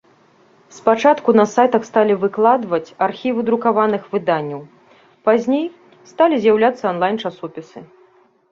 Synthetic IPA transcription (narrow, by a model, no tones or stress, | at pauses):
spat͡ʂat̪kunɐsajt̪ɐxst̪alʲivɨklˠad̪vɐt͡sʲarxʲivɨd̪ɾukavanɨxvɨd̪anʲːɐw | pazʲnʲej | st̪alʲizʲjawlʲat̪sːɐɔnlˠajnt͡ʂasɔpʲisɨ